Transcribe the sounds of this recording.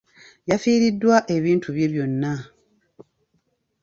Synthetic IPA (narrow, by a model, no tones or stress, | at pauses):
jafiːɾidːwaʔe̞βiːntʰuβje̞βjo̞nːa